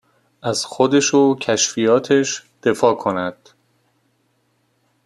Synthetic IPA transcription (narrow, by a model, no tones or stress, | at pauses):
ʔæzxod̪eʃocʰæʃfijɒːt̪ʰeʃd̪̥e̞fɒːkʰo̞næd̪̥